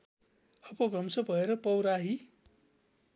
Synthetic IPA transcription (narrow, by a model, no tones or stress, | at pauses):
hʌpʌbʱrʌmsʌbʱʌeɾʌpʌwɾaɦi